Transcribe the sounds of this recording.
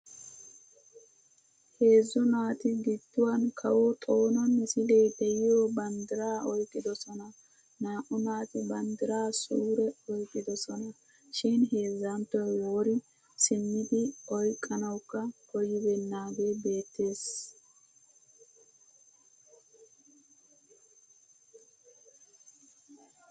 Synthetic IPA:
he̞ːzːɔnaːt̪ɪɡɪd̪ːʊwankʰɐwot̪ʼo̞ːnɐnːɛsɪd̪ɛjd̪ɛjɪjoːbɐnd̪ɪɾaːɔjkʼːɪd̪ɔsɔnɐ | naːʔɔnaːt̪ɪbɐnd̪ɪɾaːsuːɾɛɔjkʼːɪd̪ɔsɔnɐ | ʃɪnɦeːzɐnt̪ːɔjwoːɾɪ | sɪmːɪd̪ɪɔjkʼːɐnɐwkːɐkɔjɪbɛnːaːɡe̞ːbe̞ːt̪ːe̞ːs

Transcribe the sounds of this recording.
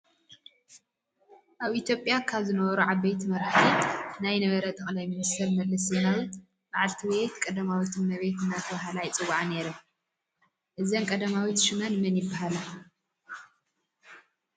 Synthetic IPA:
ʔaβʔit̪ʰjo̞pʼjakʰaβzɨnɐβɐɾuʕaβːejt̪ʰimɐɾħt̪ʰinajnɐβɐɾɐt̪ʼɐxʼlajmɨmɨsɐlmɐlːɨsenawu | baʕalt̪ʰiwet̪kʼɐd̪ɐmawit̪ʰɨnmɐβet̪ɨnːat̪ʰɐβaɦalajt͡sʼɨwːaʕneɾɨ | ʔɨzɐnkʼɐd̪ɐmawit̪ʃɨmɐnmɨnjɪbːaɦala

